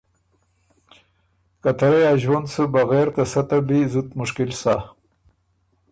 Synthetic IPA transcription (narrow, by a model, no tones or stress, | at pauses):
kat̪aɾejaʒwand̪səbaɣeɾt̪asat̪abizut̪mʊʂkɪlsa